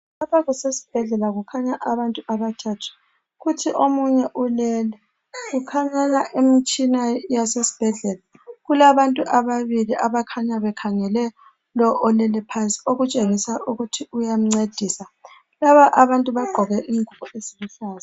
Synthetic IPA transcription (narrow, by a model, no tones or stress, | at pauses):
lapʰaɣusesi̥b̥ʱɛɮɛlaɣukʰaɲaʔaβantʼuaβatʰʼatʰḁ | ɣutʰiʔomuɲɛʔulɛlɛ | ɣukʰaŋɛlaʔemit͡ʃʼinajasesi̥b̥ʱɛɮɛla | ɣulaβantʼuʔaβaβiliʔaβakʰaɲaβɛkʰaŋɛlɛ | lɔʔːlɛlɛpʰansʼi̥oɣut͡ʃʼeŋisaʔuɣutʰiujam̩ŋ͡ǀed̥ʱiːsa | laβaʔaβantʼuβaɡ͡ǃ̥ʱɔɣɛʔiːŋʱuβɔeziɣuɬaːza